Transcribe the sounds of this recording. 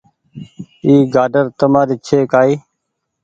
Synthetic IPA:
iːɡaːɖəɾt̪əmaːɾiːt͡ʃʰeːkaːiː

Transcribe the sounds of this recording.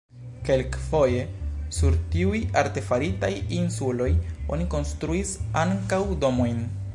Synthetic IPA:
ke̞lkfo̞je̞suɾtiujaɾte̞faɾitajinsulo̞jo̞̰niko̞nstɾuisaŋkawdo̞mo̞jn

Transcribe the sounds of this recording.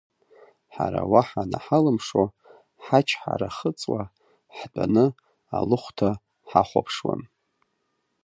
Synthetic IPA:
ħaɾawaħanaħalɨmʂo | ħat͡ʃʰħa̰ɾaχət͡sʼwa | ħdʷʼanɨ | alɨχʷtʰa | ħaχʷapʰʂwa̰n

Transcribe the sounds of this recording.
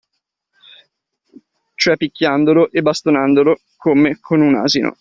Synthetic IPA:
t͡ʃoɛpːikʲːjand̪oloʔebːast̪onand̪olo | kʰomekʰonuna̰ːzino̰

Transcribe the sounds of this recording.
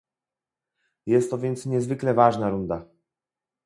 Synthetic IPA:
jɛst̪ːɔvʲjɛnt̪sɲɛzvɘklɛvaʐnaɾund̪a

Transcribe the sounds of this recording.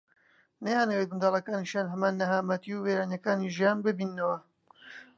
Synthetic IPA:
nɐhaːnɐweːt̪̚bɨnd̪ɑːlˠɐkaːniʃanɦɐmaːnːɐɦaːmɐt̪iuweːɾaːnjɐkaːniʒijaːnbɨbinːɐwɐ

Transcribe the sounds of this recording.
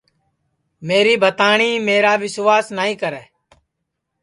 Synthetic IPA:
meːɾiːbʱət̪aːɳ̃iːmeːɾaːʋɪsʋaːsnaːĩːkəɾɛː

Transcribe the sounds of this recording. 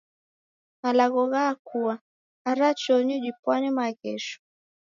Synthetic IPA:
malaɣɔɣaːkʰuaː | ɾat͡ʃɔɲud͡ʒipwanɛmaɣɛʃɔ̥

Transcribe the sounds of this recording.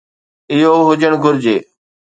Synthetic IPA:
ɪɦoːɦʊd͡ʒəɽ̃ɡʱʊɾd͡ʑeː

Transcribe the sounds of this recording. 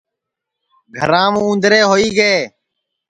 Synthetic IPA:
ɡʱə̰ɾãːmũːũːnd̪ɾeːɦoːiːɡeː

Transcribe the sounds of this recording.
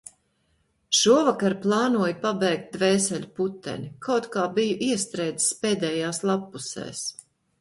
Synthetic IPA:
ʃuɔvakaɾplˠɑːnuɔjpabɛːk̚t̪̚d̪vɛːsɛlʲput̪ːɛ̰nʲikawt̪kaːbijuʔiɛst̪ɾɛjd̪i̥spɛːd̪ɛːjaːslˠapːusɛ̰ːs

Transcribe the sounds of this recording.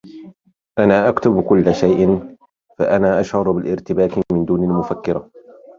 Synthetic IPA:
ʔanaːʔakt̪ʊbkʊlːaʃajʔɪn | fa̰ʔanaːʔaʃhɑɾˤbɪlʔɪɾt̪ɪbaːkɪmɪnd̪uːnalmʊfakːɪɾa

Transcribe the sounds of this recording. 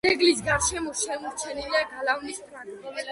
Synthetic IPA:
ɛɡlis̬ɡaɾʃɛmɔʃɛmɔɾt͡ʃʰɛniliaɡalavnisp̪ʰɾanɔ

